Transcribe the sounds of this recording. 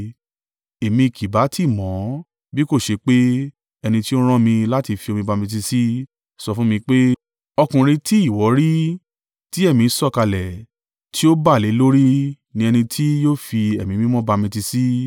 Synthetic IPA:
e˨mĩ˧i˨kʰi˨ba˨˦tʰi˦˨mɔ̃˨˦ | bi˦ko˦˨ʃe˧k͡pe˦ | ɛ˧nĩ˧ti˦o˦ɾ̃ɔ̃˦mĩ˧la˦ti˧fi˧o˧mĩ˧ba˧mĩ˧t̬i˧si˦ | sɔ˧fũ˦mĩ˧k͡pe˦ | ɔ˧kũ˨ɾ̃ĩ˧ti˦i˦˨wɔ˨˦ɾi˦ | ti˦ɛ˦˨mĩ˧˦sɔ˦˨ka˧lɛ˨ | tʰi˦o˦ba˦˨le˨˦lo˦ɾi˦ | nĩ˧ɛ˧nĩ˧tʰi˦joː˦˨fi˧ɛ˨mĩ˨mĩ˦mɔ̃˦ba˧mĩ˧ti˧si˦

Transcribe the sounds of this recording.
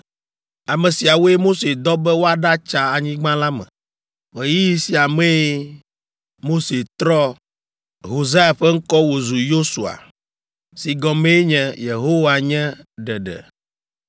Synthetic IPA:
a˨mɛ̃˨si˨a˨wo˦e˦mo˦se˨d̪ɔ˦bɛ˦wo˦a˨ɖa˦t͡ʃa˨a˨ɲĩ˦ɡ͡bã˦la˦mɛ̰̃˨ | we˨ji˦ji˦si˨a˨mɛ̃˦ | mo˦se˨t̪ɾɔ˦ | ɦo˨za˦ja˨ɸɛ˦ŋ̩˦kɔ˦wo˨zu˨jo˦su˨a̰˨ | si˨ɡɔ̃˨mẽ˦e˦ɲɛ̃˨je˨ɦo˦wa˨ɲɛ̃˦ɖɛ˨ɖɛ̰˨

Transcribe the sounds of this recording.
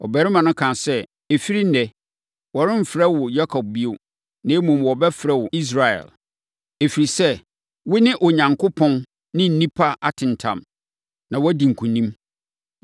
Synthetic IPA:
ɔ˨bæ˨ɾɪ˦mã˨nʊ̃˦kʰã˨sɛ˦ | e˨fi˦ɾi˦n˦nɛ˨ | wɔ˨ɾɪ̃˦m̩˨fɾɛ˦wʊ˨ja˦kʰɔ˨b̚bi˦o˨ | nã˦mũ˨mwɔ˨bɛ˦fɾɛ˦wʊ˨i˦s̬ɾa˨ɛ̰˨l | e˨fi˨ɾi˨sɛ˦ | wʊ˦nɪ̃˦ʔʊ˨ɲã˨ŋkʰʊ˦pʰɔ̃˦n | nɪ̃˦n̩˨˦nĩ˦pʰa˦ʔa˨tʰɪ̃˨n˨tʰã̰˨m | nã˨wɔ˦dĩ˨ŋ̩˨kʰũ˨nĩ˦m

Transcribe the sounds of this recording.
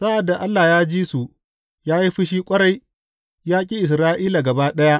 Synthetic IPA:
sa˦ʔa˨dːa˨ʔa˦lːa˨jaː˦d͡ʒiː˦su˨ | jaː˦ji˦ɸɪ˦ʃ̬iː˦kʷʼɐ˦ɾa˨j | jaː˦kʲʼi˦ʔɪ˨s̬ɾaː˦ʔiː˦la˨ɡɐ˨baː˦ɗɐ˦ja˦ʔ

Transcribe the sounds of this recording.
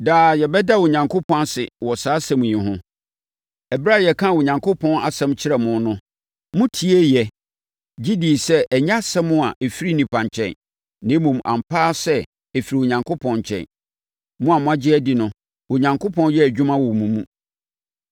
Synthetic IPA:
daː˨jɛ˨bɛ˦da˦wʊ˨ɲã˨ŋkʰo˦pʰɔ̃˦n˦sɪ̰˨wɔ˨saː˦sɛ̃˦mũ˨jĩ˨ɦʊ̃˦ | ɛ˨bɾa˦˨jɛ˨kʰã˦˨wʊ˨ɲã˨ŋkʰo˦pʰɔ̃˦na̰˨sɛ̃˦mt͡ɕʰɪ˦ɾɛ˨mʊ̃˦n˦nʊ̃˦ | mʊ̃˦tʰi˨e˦jɛ˨ | d͡ʑi˦di˨sɛ˦ʔɛ˨ɲ˦a˦sɛ˦mʊ̃˦a˨ʔe˨fi˦ɾi˦nĩ˨pʰã˨ɲ˨t͡ɕʰɛ̰̃˨n | nɪ̃˦mũ˨mʔã̰˨mpʰaː˦sɛ˦ | e˨fi˨ɾi˨wʊ˨ɲã˨ŋkʰo˦pʰɔ̃˨nɲ˨t͡ɕʰɛ̰̃˨n | mʊ̃˦a˨mʊ̃˦a˦d͡ʑɪ˦æ˦di˨nʊ̃˦ | wʊ˨ɲã˨ŋkʰo˦pʰɔ̃˦njɛ˦æ˨d͡ʑᶣu˦mã˦wɔ˨mũ˨mũ˦

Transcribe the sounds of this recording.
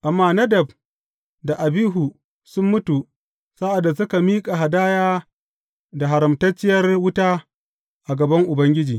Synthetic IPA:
ʔa˨mːaː˦nɐ˦dɐ˨b | da˨ʔa˨biː˦ɦuː˨ | sʊ˦mːʊ˦tu˨ | sa˦ʔa˨dːa˨s̬ʊ˦ka˨miː˦kʼa˨ɦa˨daː˦jaː˦ | da˨ɦa˨ɾɐ˨mtɐ˦t͡ʃːɪ˦jɐ˦rwʊ˦taː˦ | ʔa˨ɡɐ˨bɐ˦ŋʔʊ˨bɐ˦ŋɡʲɪ˦d͡ʒiː˨

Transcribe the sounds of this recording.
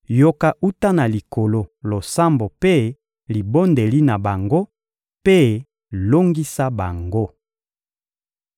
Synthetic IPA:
jo˦ka˦ʔu˦ta˦na˨li˨ko˨lo˨lo˨sa˦mbo˨pe˦ | li˨bo˦nde˨li˦na˨ba˨ŋɡo˦ | pe˦ | lo˦ŋɡi˦sa˦ba˨ŋɡo˦

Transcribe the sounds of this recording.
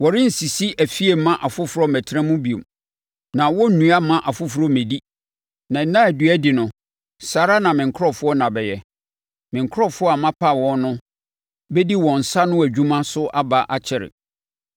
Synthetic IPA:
wɔ˨ɾɪ̃˦n̩˨si˨si˦ʔæ˨fi˦e˨˦mã˦ʔa˨fʊ˦fʊ˨ɾɔ˦mæ˨tʰɾã˦mʊ̃˦bi˨o̰˨m | nã˨wɔ˦n̩˦nũ˦a˦mã˦ʔa˨fʊ˦fɾɔ˦mẽ˨di˦ | nã˨n̩˦nã˦æ˨dɥæ˦di˨nʊ̃˨ | saː˨ɾa˦nã˨mɪ̃˨ŋ̩˨kʰɔ˦fʊ˦ɔ˦nã˨bɛ˨jɛ˨ | mɪ̃˨ŋ̩˨kʰʊ˦ɾɔ˦˨fʊ˦ɔ˦a˨mã˦pʰa˦˨wɔ̃˦n˦nʊ̃˦ | bɛ˦di˦wɔ̃˨n̩˨sa˦nʊ̃˦æ˨d͡ʑᶣũ˦mã˦sʊ˦ʔa˦ba˦ʔa˦t͡ɕʰɪ˨ɾɪ̰˨

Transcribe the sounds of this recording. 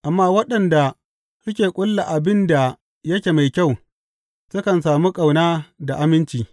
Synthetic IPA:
ʔa˨mːaː˦wɐ˦ɗɐ˨nda˨ | sʊ˦kʲeː˨kʷʼʊ˦lːa˨ʔa˨bɪ˦nda˨ | jɐ˦kʲeː˨ma˨jkʲa˦˨w | sʊ˦kɐ˨nsaː˨muː˦kʼɐ˨wnaː˦da˨ʔa˦mɪ˦nt͡ʃiː˨

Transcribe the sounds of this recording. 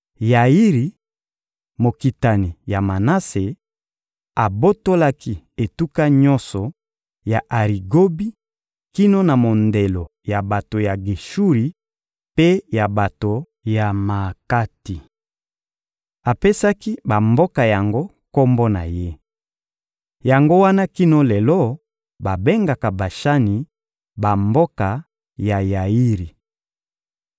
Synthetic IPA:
ja˨i˦ʁi˨ | mo˨ki˨ta˨ni˨ja˨ma˨na˦se˨ | a˨bo˦to˦la˦ki˦ | e˨tu˦ka˦ɲɔ˦sɔ˨ | ja˨ʔa˨ʁi˨ɡo˦bi˦ | ki˦no˦na˨mo˨nde˨lo˨ | ja˨ba˨to˨ja˨ɡi˨ʃu˦ʁi˨ | pe˦ja˨ba˨to˨ | ja˨ma˨ka˦ti˨ | a˨pe˦sa˦ki˦ba˨mbo˦ka˨ja˨ŋɡo˦ | ko˦mbɔ˦na̰˨je˦ | ja˨ŋɡo˦wa˦na˦ki˦nɔ˦lɛ˨lɔ˦ | ba˨be˦ŋɡa˨ka˨ba˨ʃa˦ni˨ | ba˨mbo˦ka˨ | ja˨ja˨i˦ʁi˨

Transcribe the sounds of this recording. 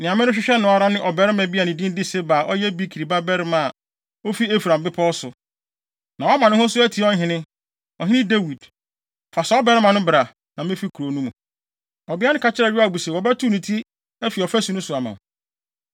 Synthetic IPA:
nɪ̃˨ã˨mɪ̃˦ʊ̃˦ɕᶣɪ˦ɕᶣɛ˦nʊ̃˨˦a˨ɾa˦nɪ̃˦ʔɔ˨bɛ˨˦ɾɪ˦mɛ̃˨bi˦a˨nɪ̃˨dĩ˦n˦dɪ˦sɛ˦ba˨ʔɔ˦jɛ˦bi˦kʰi˨ɾi˨ba˦bɛ˦ɾɪ˦mã˨ | o˦fi˦e˦fɾã˨mbɪ˦pʰɔ˦sʊ˨ | nã˨wɔ˦mã˨nʊ̃˦hʊ̃˦sʊ˦æ˦tʰi˨˦ɔ˦ɦɪ̃˨˦nɪ̃˦ | ɔ˨ɦɪ̃˦nɪ̃˦de˦wi˨d | fa˨sɛ˦ɔ˦bɛ˦ɾɪ˦mã˨nʊ̃˦bɾa˨ | nã˨mɪ̃˦fi˦kʰu˨ɾo˨nũ˦mũ˨ | ɔ˨bɪ˦a˦nɪ̃˦ka˨t͡ɕʰɪ˦ɾɛ˨ɪ˦a˦˨bu˨se˨wɔ˨bɛ˦tʰu˦nĩ˨tʰi˦ | æ˦fi˨ɔ˨fæ˦su˨nʊ̃˦sʊ˨a˨mã̰˨

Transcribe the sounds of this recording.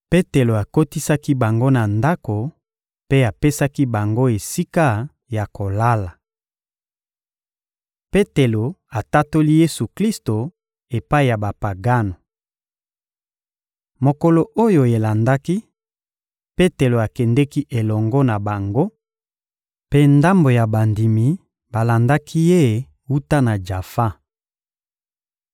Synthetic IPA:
pe˦te˨lo˨a˨ko˦ti˦sa˦ki˦ba˨ŋɡo˦na˨nda˦ko˨ | pe˦a˨pe˦sa˦ki˦ba˨ŋɡo˦e˨si˦ka˦ | ja˨ko˨la˦la˨ | pe˦te˨lo˨a˨ta˦to˦li˦je˦su˨kli˦sto˨ | e˨pa˦i˨ja˨ba˨pa˨ɡa˦no˨ | mo˨ko˨lo˨ʔo˦jo˨e˨la˨nda˦ki˦ | pe˦te˨lo˨a˨kɛ˨ndɛ˦ki˦ʔe˨lɔ˨ŋɡɔ˦na˨ba˨ŋɡo˦ | pe˦nda˦mbo˨ja˨ba˨ndi˨mi˨ | ba˨la˨nda˦kʰi˦je˦˨ | wu˦ta˦na˨d͡ʒa˨fa˦

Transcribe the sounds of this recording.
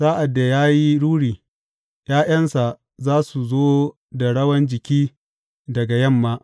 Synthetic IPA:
saː˦ʔa˨dːa˨jaː˦ji˦ɽuː˦ɽiː˨ | j̰aː˦j̰ɐ˦nsa˨ | zaː˦su˨zoː˦ | da˨ɽɐ˦wɐ˦nd͡ʒɪ˨kʲiː˦ | dɐ˨ɡa˨jɐ˦˨mːaː˦

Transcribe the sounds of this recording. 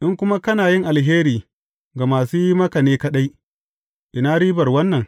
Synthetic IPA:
ʔɪ˦ŋkʷʊ˦ma˦kɐ˦naː˨jɪ˦ŋʔa˨lɦeː˦ɾiː˨ | ɡa˨maː˨suː˦ji˦mɐ˦ka˨neː˦kɐ˦ɗa˦j | ʔɪ˨naː˦ɽiː˦bɐ˨rwɐ˦nːɐ˨ŋ

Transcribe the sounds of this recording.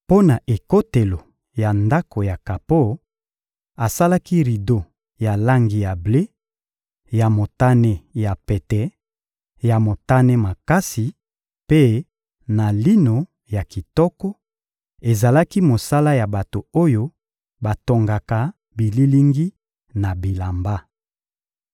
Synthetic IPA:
po˦na˨ʔe˨ko˦te˨lo˨ | ja˨nda˦ko˨ja˨ka˨po˦˨ | a˨sa˦la˦ki˦ʁi˨do˦ | ja˨la˦ŋɡi˨ja˨ble˦ | ja˨mo˨ta˦ne˦˨ja˨pɛ˨tɛ˨˦ | ja˨mo˨ta˦ne˦ma˨ka˦si˨ | pe˦ | na˨li˦no˨ | ja˨ki˨tɔ˦kɔ˦ | e˨za˨la˦ki˦mo˨sa˦la˦ja˨ba˨to˨o˦jo˦ | ba˨to˨ŋɡa˨ka˨ | bi˨li˦li˦ŋɡi˦ | na˨bi˨la˨mba˦

